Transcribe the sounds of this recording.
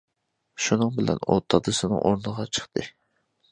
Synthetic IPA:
ʃunɨŋbɪlɛ̰no̰t̪ʰːɑd̪ɨsɨnɨ̰ŋʔoɾnɨʁɑt͡ʃʰə̥χt̪ʰɨ

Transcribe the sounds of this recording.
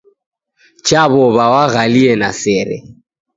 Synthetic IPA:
t͡ʃʰʼaβɔβawaɣaliɛnasɛːɾɛ̰

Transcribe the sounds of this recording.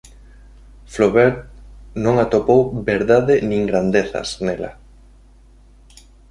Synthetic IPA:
floβɛɾt̪̚nõŋat̪opowbeɾðaðɪnĩŋɡɾand̪eθɐ̰snelɐ̰

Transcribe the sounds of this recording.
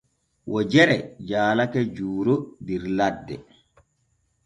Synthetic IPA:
wʔɔd͡ʒɛɾɛd͡ʒaːlakɛd͡ʒuːɾɔbiɾladːɛ̰

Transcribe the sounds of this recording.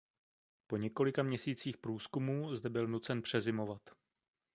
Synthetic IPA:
po̞ɲɛko̞lɪkamɲɛsiːt͡siːxpɾuːskumuːzdɛbɪlnut͡sɛnpr̝̥ɛzɪmo̞vat̪

